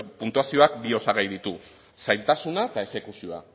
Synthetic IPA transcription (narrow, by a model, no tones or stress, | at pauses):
punt̪uasio̞ak̚bio̞saɣajðit̪u | sajlt̪asunaet̪ae̞se̞kusio̞a̰